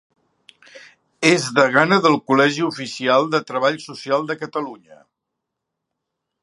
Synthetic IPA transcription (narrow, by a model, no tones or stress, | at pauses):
ezðəɣ̞anəðəlˠkulɛʒiufisialˠd̪ət̪ɾəβ̞aʎsusialˠd̪əkət̪əluɲə